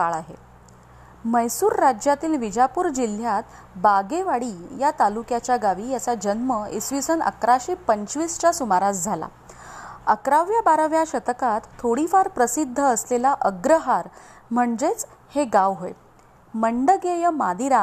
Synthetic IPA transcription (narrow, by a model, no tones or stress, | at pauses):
kaɭaɦḛ | məjsuːɾːad͡ʑjat̪iːlʋid͡ʑapuːɾd͡ʑil̤jat̪ | baɡeʋaɽiːjat̪alukjat͡ɕjaɡaʋiːjat͡sad͡ʑənməesʋisənə̰kɾaɕipəɲt͡ɕʋiːst͡ɕjasumaɾat͡sd͡zʱala̰ | əkɾaʋjabaɾəʋjaɕət̪əkat̪ʰːoɽifaɾpɾəsid̪ʱːəːslelaʔəɡɾəɦaɾm̤əɳd͡zet͡s | heɡaʋɦoḛ | məɳɖəɡejəmad̪iɾa